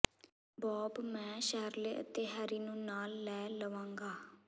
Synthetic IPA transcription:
bɔːbmɛ̃ːʃɛɦɾleːʔə̰t̪eːɦəɾiːnũːnaːlːɛːləʋãːŋɡaː

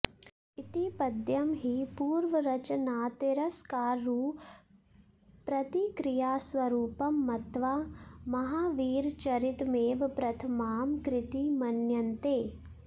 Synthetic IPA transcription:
it̪ipɐd̪jɐmɦipuːɾʋɐɾɐt͡ʃɐnaːt̪eɾɐskaːɾːuː | pɾɐt̪ikɾɪjaːsʋɐɾuːpɐmːɐt̪ʋamɐɦaːʋiːɾt͡ʃɐɾit̪meːʋpɾɐt̪ʰɐmaːmkɾɪt̪imɐnjɐnt̪eː

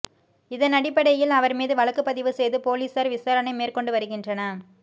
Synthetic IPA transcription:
ɪðɐnɐɽɪpːɐɽɐjɪlɐʋɐɾmiːðɯʋɐɭɐkːɯpːɐðɪʋɯsɛjðɯpoːliːsaɾʋɪsaːɾɐnɐɪmeːrkɔɳɖɯʋɐɾɯɣɪndrɐnɐ

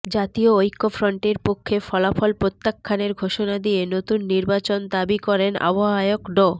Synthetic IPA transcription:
d͡ʑat̪ioojkːofɾoɳʈeɾpokʰːefɔlafɔlpɾot̪ːakʰːaneɾɡʱoʃonad̪ienot̪unːiɾbat͡ɕond̪abikɔɾena̰baɦaeokɖo

